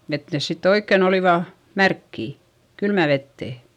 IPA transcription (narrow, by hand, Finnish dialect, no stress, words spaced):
et nes sitː oikːen oliˑʋɑ mærkːiˑ kylmæ ʋetːeˑ